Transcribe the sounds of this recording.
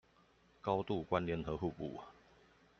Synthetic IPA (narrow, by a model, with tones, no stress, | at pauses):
kɑ˦ʊt̪u˥˨kwa˦nljɛ˧˥˦nɦɤ˨˧˦ɦu˥˨pṵ˨˩